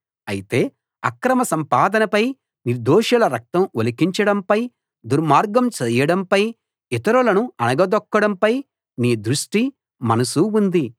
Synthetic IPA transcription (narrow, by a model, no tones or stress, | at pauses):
ɐ̰jit̪e̞ː | ɐ̰kɾɐmɐsɐmpaːd̪ɐnɐpɐj | niɾd̪oːʃɐlɐɾɐk̚t̪ɐmolikiɲt͡ʃɐɽɐmpɐj | d̪uɾmaːɾɡɐmt͡ʃɛːjɐɽɐmpɐj | it̪ɐɾulɐnuɐnɐɡɐd̪ɔkːɐɽɐmpɐj | niːd̪ɾuʂʈi | mɐnɐsuund̪i